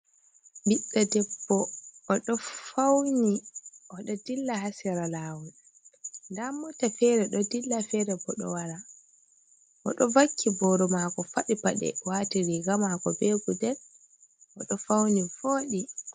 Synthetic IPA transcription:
biɗːadɛbːɔːɗɔfawniɔɗɔdilːaɦasiɾalaːwun | ndamːɔtafɛɾɛɗɔdilːafɛɾɛbɔɗɔ̰waɾa | ʔɔ̰ɗɔvakʰːibɔɾɔmakɔfaɗipaɗɛ̰watiɾiɡamakɔbeɡudɛn | ʔɔɗɔfawnifoːɗi

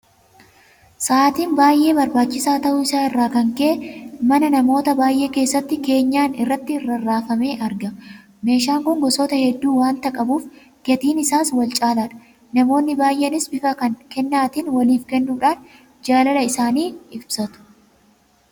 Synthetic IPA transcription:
saːt̪iːmbaːjʔe̞ːbɐɾbaːt͡ʃːɪsaːt̪ɐʔʊɪsaːɪrːaːkɐŋkeʔmɐnɐnɐmo̞ːt̪ɐbaːjʔe̞ːke̞ːsːɐt̪ːɪke̞ːɲːaːnɪrːɐt̪ːɪrːɐrːaːfɐme̞ːʔɐɾɡɐ | me̞ːʃaːŋkʊŋɡɔsoːt̪ɐhɛd̪ːuːwaːnt̪ɐkʼɐbuːf | ɡɛt̪iːnɪsaːswɐlt͡ʃʼaːlaːᶑɐ̥ | nɐmo̞ːnːɪbaːjʔenɪsbɪfɐkɐnkɛnːaːt̪ɪnwɐliːfkɛnːuːᶑaːn | d͡ʒaːlɐlɐɪsaːniːɪbsɐt̪ʊ̥

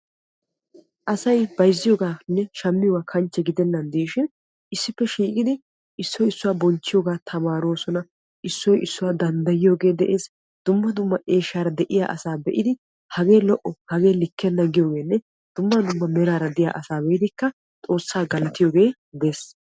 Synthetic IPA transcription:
ʔɐsɐjbɐjzːɪjoːɡaːnːɛʃɐmːɪjɔɡaːkʰɐnt͡ʃːɛɡɪd̪ɛnːɐnd̪iːʃɪn | ʔɪsːɪpːɛʃiːkʼɪd̪ɪ | ɪsːɔjɪsːʊwaːbɔnt͡ʃːɪjoːɡaːt̪ʰɐmaːɾoːsɔnɐ | ʔɪsːɔjʔɪsːʊwaːd̪ɐnd̪ɐjɪjo̞ːɡe̞ːd̪ɛʔeːs | d̪̥ʊmːɐd̪ʊmːɐʔeːʃaːɾɐd̪ɛʔɪja̰ːʔɐ̰saːbɛʔɪd̪ɪ | hɐɡe̞ːlɔʔɔhɐɡe̞ːlɪkːɛnːɐɡɪjo̞ːɡe̞ːnːɛ | d̪̥ʊmːɐd̪ʊmːɐmɛɾaːɾɐd̪ɪja̰ːʔɐsaːbɛʔɪd̪ɪkːɐ | t̪ʼo̞ːsːaːɡɐlɐt̪ɪjoːɡe̞ː | d̪e̞ːs

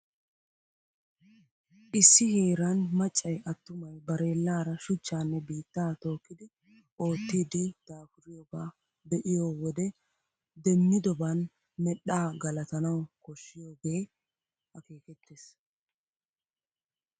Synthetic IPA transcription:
ʔɪsːɪheːɾɐnmɐt͡ʃʼːɐjʔɐt̪ːʊmɐjbɐɾe̞ːlːaːɾɐʃʊt͡ʃːaːnːɛbiːt̪ːaːt̪o̞ːkːɪd̪ɪ | ʔo̞ːt̪ːiːd̪ɪd̪̥aːfʊɾɪjɔbaː | d̪ɛʔɪjo̞ːwɔd̪ɛ | d̪ɛmːɪd̪ɔban | mɛɗaːɡɐlɐt̪ɐnɐwkɔʃːɪjoːɡe̞ː | hɐke̞ːkɛt̪ːeːs

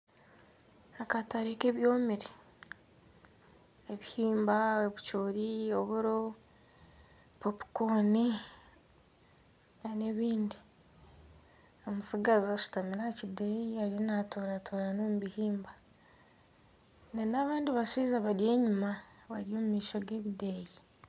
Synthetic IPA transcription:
akataɾeke̞βjoːmiɾe | eβihiːmbaoβut͡ʃoːɾioβuɾo | popi̥koni | nane̞βiːndi | omusiɡazaʃu̥tamiɾacidejiaɾinatoɾatoːɾano̞ːmuβihiːmba | nenaβaːndiβasiːzaβaɾje̞ːɲumaβaɾjo̞ːmumiːʃoɡe̞ːβideji

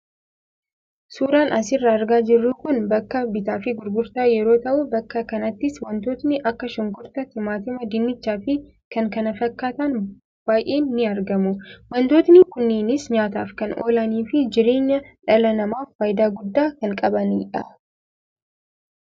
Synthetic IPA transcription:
suːɾaːnɐs̬ɪrːɐːɾɡaːd͡ʒɪrːuːkʊnbɐkːɐbɪt̪aːfɪɡʊɾɡʊɾt̪aːjɛɾo̞ːt̪ɐʔʊbɐkːɐkɐnɐt̪ːɪswɐnt̪o̞ːt̪nɪʔɐkːɐʃɪŋkʊɾt̪ɐt̪ɪmaːt̪ɪmɐd̪ɪnːɪt͡ʃːaːfɪ | kɐŋkɐnɐfɐkːaːt̪ɐn | b̥aːjʔeːnːɪɐɾɡɐmʊwɐnt̪o̞ːt̪nɪkʊnːeːnɪsɲaːt̪aːfkɐno̰ːlɐniːfɪd͡ʒɪɾe̞ːɲːɐᶑɐlɐnɐmaːfːaːjd̪aːɡʊd̪ːaːkɐŋkʼɐbɐniᶑɐ̰

